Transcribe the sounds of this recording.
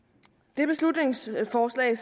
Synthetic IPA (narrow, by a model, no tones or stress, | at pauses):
d̥e̝b̥e̝slud̥ne̝ŋsfɒːslɛ̰ɪs